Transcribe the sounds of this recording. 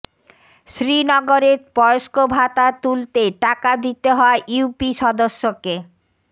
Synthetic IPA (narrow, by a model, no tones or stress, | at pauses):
ʃɾinɔɡoɾeɾpbɔoʃkobʱat̪at̪ult̪eʈakad̪it̪eɦɔaeʔuupiʃɔd̪oʃːoke